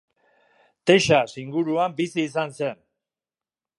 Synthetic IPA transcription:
t̪e̞ʃasiŋɡuɾuambisiːsanse̞n

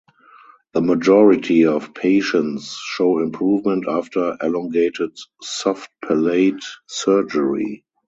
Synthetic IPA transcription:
ðəmad͡ʒɔɹɪtʰiɔfpʰeɪʃə̃nsʃoʊɪ̃mpʰɹuːvmɛ̃ntaftə˞ʔɛlɔ̃ŋɡeɪtɪtsɔft̚pʰɛleɪtsɜ˞d͡ʒəɹḭ

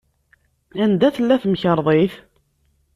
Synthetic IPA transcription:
ænd̪æθəlːæθmçəɾˤðˤeθ

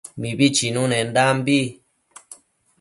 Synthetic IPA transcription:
mĩβit͡ʃinũnẽnd̪ambi

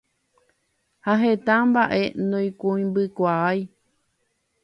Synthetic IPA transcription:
haɦet̪ãmbaʔe̞nõj̃kũĩmbɨkʷaaj

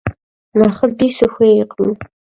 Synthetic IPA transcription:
naχəbiːsɨxʷeːɪqm

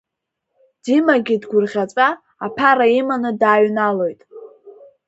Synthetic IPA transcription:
d̥imaɡʲɪdɡʷʊrʁʲat͡sʷʼaː | pʰaɾaimanɨdaːɥnalo̞jtʼ

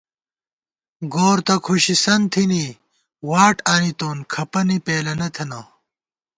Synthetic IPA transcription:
ɡoːɾt̪ɐkʰuɕisɐnt̪ʰini | waːʈaːnit̪oːnkʰɐpɐnipeːlɐnɐt̪ʰɐnaː

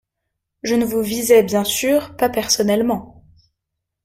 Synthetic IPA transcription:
ʒənəvuvizɛbjɛ̃syʁpapɛʁsɔnɛlmɑ̃

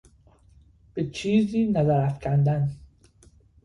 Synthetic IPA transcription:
b̥et͡ʃʰiːziːnæzæɾæfcʰænd̪æn

